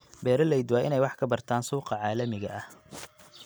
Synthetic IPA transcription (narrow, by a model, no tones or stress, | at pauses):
bɛːɾɐlɛjd̪waːʔɪnɛjwɑħkʰɐbɐrt̪ʰaːnsuːqɑʕɑːlɐmɪɣɐʔɐh